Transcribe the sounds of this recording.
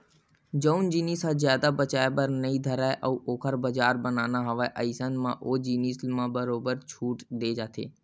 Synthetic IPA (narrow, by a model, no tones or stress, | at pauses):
d͡ʒəʊnd͡ʒiːniːsãzjaːd̪abət͡ʃaːebəɾnəĩd̪ʱəɾaːeʔəuʔoːkʰəɾbəd͡ʒaːɾbənaːnaɦɐʋaeʔəɪsənmã̰ːʔoːd͡ʒiːniːsmãbəɾoːbəɾt͡ʃʰuːʈd̪eːd͡ʒaːt̪ʰḛː